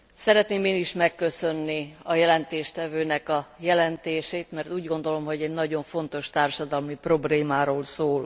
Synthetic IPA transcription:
sɛɾɛt̪neːmeːniʃmɛkːø̞sø̞nːiɒjɛlɛnt̪eːʃt̪ɛvøːnɛkɒjɛlɛnt̪eːʃeːt̪mɛrt̪uːɟɡo̞nd̪o̞lo̞mɦo̞ɟɛɟnɒɟo̞ɱfo̞nt̪o̞ʃt̪aːrʃɒd̪ɒlmipro̞bleːmaːɾoːlsoːl

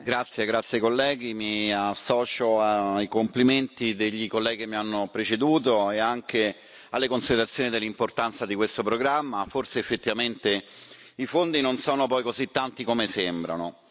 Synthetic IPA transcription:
ɡɾat̪sːjeɡɾat̪sjaikolːɛːɡ̟imiasːɔːt͡ʃoaikompliment̪id̪eʎːikolːɛːɡikemːianːopɾet͡ʃed̪uːt̪oeaŋke | alːekonsid̪eɾat̪sːjoːnid̪elːimport̪ant̪sad̪ikwest̪opɾoɡɾamːaforseːfːet̪ːivament̪e | ifond̪inonsoːnopɔjkozit̪ːant̪ikomesembɾa̰no

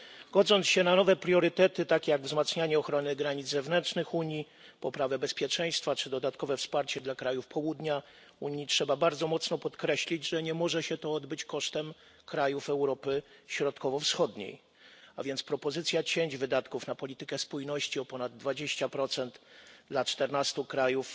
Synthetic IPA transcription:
ɡ̥ɔd̪zɔnt̪sɕɛnanɔvɛpɾjɔɾɘt̪ɛt̪ɘt̪akʲejaɡvzmat̪sɲaɲɛɔxɾɔnɘɡɾaɲid̪zzɛvnɛnt͡ʂnɘxuɲji | pɔpɾavɛbɛspʲjɛt͡ʂɛj̃st̪fat͡ʂɘd̪ɔd̪at̪kɔvɛfspaɾt͡ɕɛd̪lakɾajufpʰɔwud̪ɲa | uɲitʂɛbabaɾd̪zɔmɔt̪snɔpɔt̪kɾɛɕlʲid͡ʑʐɛɲɛmɔʐɛɕɛt̪ɔɔd̪bɘt͡ɕkɔʂt̪ɛm | kɾajufɛwɾɔpɘɕɾɔt̪kɔvɔfsxɔd̪ɲḛj | a̰vʲjɛnt̪spɾɔpɔzɘt̪sʲjat͡ɕeɲd͡ʑvɘd̪at̪kufnapɔlʲit̪ɘkɛspujnɔɕt͡ɕiɔpɔnad̪ːvad͡ʑeɕt͡ɕapɾɔt̪sɛnt̪d̪lat͡ʂt̪ɛɾnast̪ukɾajuf

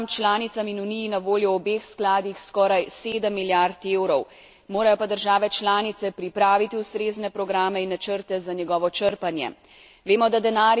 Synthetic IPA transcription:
mt͡ʃlaːnit̪saminunijinaʋoːljɔɔbeːxsklaːd̪ixskɔːɾajseːd̪əmːiljaɾt̪eːwɾɔw | moːɾajɔpad̪əɾʒaːʋɛt͡ʃlaːnit̪sɛpɾipɾaːʋit̪iust̪ɾeːznɛpɾɔɡɾaːmɛinːat͡ʃəɾt̪ɛzaɲjɛɡɔːʋɔt͡ʃəɾpanjɛ̰ | ʋeːmɔd̪ad̪ɛnaːɾ

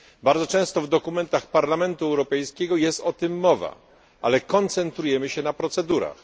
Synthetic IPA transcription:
baɾdzɔt͡ʂɛ̃w̃st̪ɔvd̪ɔkumɛnt̪axpaɾlamɛnt̪uɛwɾɔpɛjskʲɛɡɔjɛst̪ɔt̪ɘmːɔva̰ | ʔalɛkɔnt̪sɛnt̪ɾujɛmɘɕɛnapɾɔt̪sɛd̪uɾa̰x

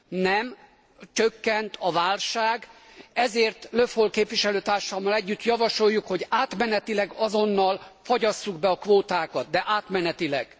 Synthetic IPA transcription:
nɛm | t͡ʃøkːɛnt̪ʰɒvaːlʃaːɡ | ɛzeːrt̪lø̞fholkeːpʋiʃɛløːt̪aːrʃɒmːɒlɛɟːyt̪jɒvɒʃo̞jːukho̞ɟaːt̪mɛnɛt̪ilɛɡɒzo̞nːɒlfɒɟɒsːuɡbɛɒkʋoːt̪aːkɒt̪̚d̪ɛʔaːt̪mɛnɛt̪ilɛ̰ɡ̥

